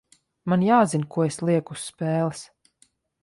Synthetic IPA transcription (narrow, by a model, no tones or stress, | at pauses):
manjaːzinkuɔeslˠiɛkuspɛːlˠs